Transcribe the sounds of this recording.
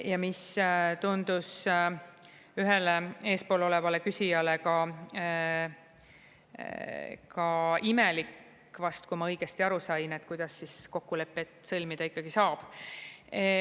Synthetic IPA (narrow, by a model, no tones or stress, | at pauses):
jɑmist̪und̪̥us | yɦe̞lee̞ːspo̞ːlo̞le̞vɑle̞kysʲijɑle̞kɑ | kɑimelikː | vɑst̪kumɑɤjɡ̥est̪iɑɾusɑjne̞t̪kujd̪̥ɑsːisko̞kːule̞pːˑet̪ːˑsɤlʲmid̪̥ɑikːɑɡ̥isɑːb̥